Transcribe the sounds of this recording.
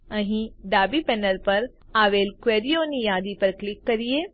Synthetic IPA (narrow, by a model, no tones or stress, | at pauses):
ɐ̃ɦĩɖaːbipɛːnəlpɐɾ | aːʋeːlkʋeːɾijoːnijaːd̪ipɐɾklɪkːɐɾieː